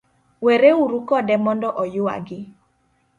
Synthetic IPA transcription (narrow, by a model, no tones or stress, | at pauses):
weɾeuɾukɔdɛmɔndɔʔɔjʊwa̰ɡɪ